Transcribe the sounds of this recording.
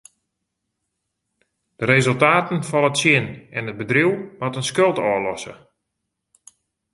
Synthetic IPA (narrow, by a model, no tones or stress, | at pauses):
d̥əɾezɵlˠtaːtənfɔnətsjɪnɛnɦət̚bədriwmatənskølˠtɔːlɔsə̰